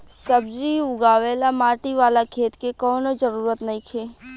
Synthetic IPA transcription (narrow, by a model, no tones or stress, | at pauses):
sɐbd͡ʒiʊɡaːʋeːlamaːʈiʋaːlakʰeːt̪kekɔːnod͡ʒəɾuːɾət̪nɐɦĩkʰeː